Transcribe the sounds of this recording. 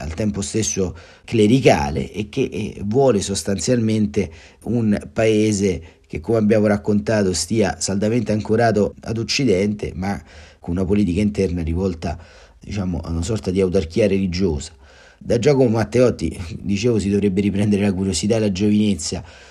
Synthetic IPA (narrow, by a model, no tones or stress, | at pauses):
a̰lt̪ɛmpost̪esːo | kleɾika̰ːlḛʔːk̟ːeʔvːwɔːlesost̪ant̪sjalment̪e | unpaeːze | k̟ekːomeabːjaːmoɾakːont̪aːt̪ost̪iːa̰sald̪ament̪eaŋkoɾaːt̪oa̰d̪ot͡ʃːid̪ɛnt̪ḛmakonunapoliːt̪ikaint̪ɛrnarivɔlt̪a | d̪it͡ʃaːmo̰ʔa̰unasɔrt̪ad̪iawt̪̬ark̟iːaɾelid͡ʒoːzḁ | d̪ad͡ʒːakomemat̪ːeɔt̪ːḭd̪it͡ʃeːvosid̪ovɾebːeɾipɾɛnd̪eɾelakuɾjosit̪ad̪elad͡ʒovinet̪sːja